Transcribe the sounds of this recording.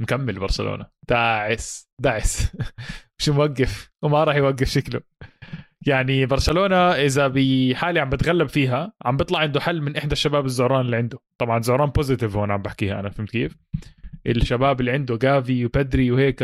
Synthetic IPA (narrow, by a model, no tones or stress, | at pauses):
mkamːɪlbɑɾˤsalo̰ːnad̪̥aːʕɪsd̪aːʕɪs | mɪʃmwaɡːɪfwɪmaɾˤɑːħjwaɡːɪfʃaklʊ | jaʕnibɑɾˤsaloːnaʔɪzabiħaːliʕambɪt̪ɣalːabfiːɦaʕambɨt̪ˤlɑʕɪnd̪ʊħalːmɪnʔɪħd̪aʃːabaːbɪzːʊhɾˤɑːnɪlːiːʕɪnd̪ʊt̪ˤɑbʕɑnzʊhɾˤɑːnpʊzɪt̪ɪvhoːnʕambaħkiːhaʔa̰namfɪmt̪keːfʔɪlʃːabaːbɪlːiːʕɪnd̪ʊɡaːviwbad̪ɾiwheːk